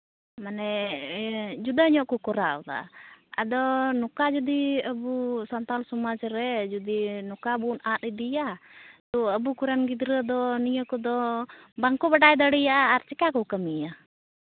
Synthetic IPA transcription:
manɛ | d͡ʒud̪aɲɔʔkɔkɔɾaʔɔd̪a̰a̰d̪ɔnɔkad͡ʒɔd̪iəbusant̪alsɔmad͡ʒɾɛd͡ʒɔd̪inɔkabunat̪id̪ijat̪ɔəbukuɾanɡid̪ɾəd̪ɔnijəkɔd̪ɔbaŋkɔbaʈajd̪əɽijaʔaːɾt͡ʃɛkakɔkəmija

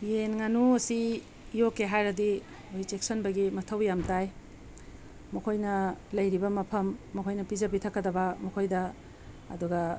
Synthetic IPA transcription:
jenŋanuɐsi | jokeɦajɾɐdi | oit͡ʃek̚sɐnbɐɡimɐtʰɐwjamtaj | mɐkʰojnɐlɐjɾibɐmɐpʰɐmːɐkʰojnɐpizɐbitʰɐkːɐdɐbɐmɐkʰojdɐ̰ː | duɡɐ

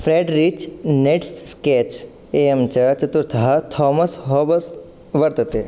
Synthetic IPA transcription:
fʰɾeːɖɾit͡ʃneʈssket͡ʃ | eːemt͡ʃɐt͡ʃɐt̪uɾt̪ʰɐɦɐt̪ʰɔːmɐsɦoːbɐs | ʋɐɾt̪ɐt̪e

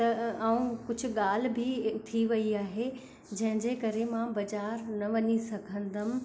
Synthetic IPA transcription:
t̪ɐʔaːũkʊd͡ʑʱʊ̆ɠaːl̤̆bʱɪt̪ʰiʋɐiaːɦe | d͡ʑɐ̃ɦɪ̃ɲd͡ʑekɐɾemãbɐd͡ʑaːɾnɐʋɐɲisɐɡʱə̃nd̪ɐm̆

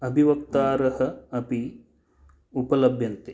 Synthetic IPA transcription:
ɐbʱiʋɐkt̪aːɾɐhɐ̆ɐpi | upɐlɐbʱjɐnt̪e

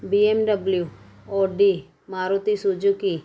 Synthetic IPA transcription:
biemɖəblju | oːɖi | maːɾut̪isud͡ʒuki

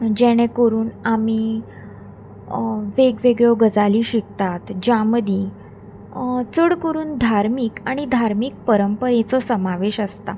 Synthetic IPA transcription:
d͡ʑɛɽ̃ẽkəɾuːnamiː | ʋeɡʋeɡɭɔɡəd͡zaliːɕik̚t̪at̪d͡ʑaməd̪ĩ | t͡səɽkəɾuːnd̪ʱaɾmiːkaɽ̃id̪ʱaɾmiːk̚pəɾəmpəɾẽt͡sɔsəmaʋeɕəst̪a

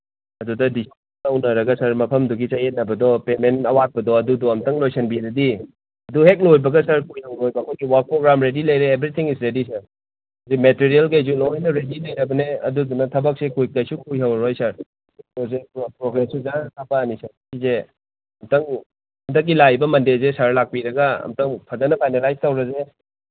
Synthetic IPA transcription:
ɐdudɐdisi | lɐwnɐɾɐɡɐsɐɾmɐpʰɐmduɡisajet̚nɐbɐdɔpemenɐwat̚pɐdɔɐdudɔɐmtɐŋlojsɐnbidɐdi | ɐduɦek̬̚lojbɐɡɐsɐɾkujhɐwɾojbɐːkʰojɡiwɐɾk̚pɾoɡɾamɾedilɐjɾeːbɾit̪ʰiŋisɾedisɐɾ | zimetiɾielkɐjs̬ulojnɐɾedilɐjɾɐbɐneɐ̰dudunɐtʰɐbɐk̚sekʰujkajsukʰujɦawɾojsɐɾ | dozepɾoɡɾesuzatʰapanisɐɾkize | ɐmtɐŋ | ɐmtɐk̬̚ːilajbɐmɐndezesaɾlak̚piɾɐɡɐɐ̰mtɐŋpʰɐzɐnɐpʰajnalajstɐwɾɐze

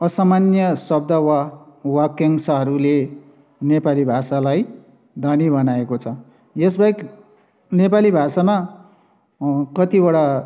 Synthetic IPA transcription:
ʌsamanjʌsʌb̚d̪ʱʌwawʌkːeŋsʌɦʌɾule | nepalibʱasalaj | d̪ʱʌnibʌnaekot͡sʰʌ | jesbaek | nepalibʱasama | kʌt̪ibʌɽa

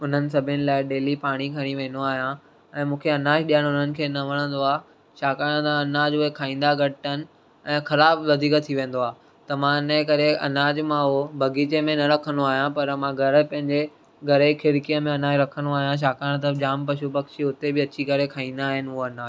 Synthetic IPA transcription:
ʊn̤ənɪ̆sɐbʱɪnɪ̆laːɪɗeːlipaːɽ̃ikʰɐɽ̃iʋẽːnoaːɦijã | ɛ̃ːmũːkʰeɐnaːd͡ʑɗijəɽ̃ʊn̤ənɪ̆kʰeːnɐʋɐɽ̃ə̃nd̪oaː | ʃaːkaːɽ̃t̪ɐɐnaːd͡ʑʊɦekʰaːĩːn̆d̪aɡʱɐɽʈənɪ̆ | ɛ̃ːxɐɾaːbʋɐd̪ʱiːkət̪ʰːiʋẽːn̆d̪oaː | t̪ɐmãɪnəkɐɾeɐ̰naːd͡ʑmãɦobʱɐɡiːt͡ɕemẽnɐɾɐkʰənd̪oaːɦijãpɐɾmãɡʱɐɾəpɐ̃ɦɪ̃ɲd͡ʑe | ɡʱɐɾekʰɪɾkijəmẽɐnaːd͡ʑɾɐkʰənd̪oaːɦijãʃ̬aːkaːɽ̃t̪ɐd͡ʑaːmpɐʃubɐkʃiʊt̪ebɪɐt͡ɕikɐɾekʰaːĩːn̆d̪aːɦɪnɪʊɦoɐnaːd͡ʑ

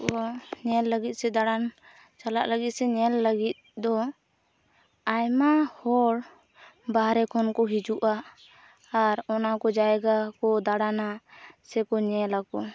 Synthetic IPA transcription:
ɔɲɛlːəɡit̪̚sɛd̪aɽan | t͡ʃalaʔləɡit̪̚sɛɲɛlːəɡit̪̚d̪ɔ | ajmahɔɽ | baɦɾɛkʰɔnkɔɦid͡ʒuʔaː | ɾɔnakɔd͡ʒajɡakɔd̪aɽanasɛkɔɲɛlakɔ

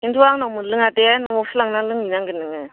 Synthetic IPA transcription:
intʰuaŋnawmɯlɯŋatenɔmɔfʰɯlaŋnalɯŋinaŋɡɯnːɯŋɯ

